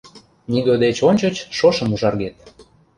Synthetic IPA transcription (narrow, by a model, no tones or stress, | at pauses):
niɡod̪et͡ɕonʲt͡ɕot͡ɕʃoʃə̆muʒɑrɣet̪